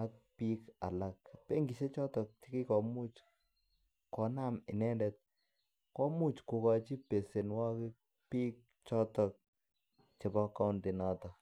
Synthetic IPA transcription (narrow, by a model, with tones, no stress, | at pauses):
a˦k̚pi˦ka̰˨la˨k̚pe˦ŋɡi˨ʃe˦t͡ʃɔ˦tɔ˨k̚t͡ʃi˦ki˦kɔ˨mu˦t͡ʃ | kɔ˨na˦mɪ˨nɛ˦ndɛ˨t̚ | kɔ˦mu˦t͡ʃku˨ka˨t͡ʃi˦pe˨se˨nwa˦ki˦ | pi˦k̚ | t͡ʃɔ˦tɔ˨k̚ | t͡ʃe˨bɔ˦ka˦ʊnde˨nɔ˦tɔ˨